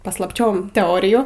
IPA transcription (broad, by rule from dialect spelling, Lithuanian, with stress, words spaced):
pɐslˠɐˈpʲt͡ʃʲoːm tʲɛˈoːrʲɪjuː